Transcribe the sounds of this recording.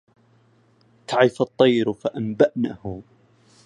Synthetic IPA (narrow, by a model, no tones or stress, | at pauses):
t̪aʕɪfɑt̪ˤːɑjɾfaʔambaʔnahʊ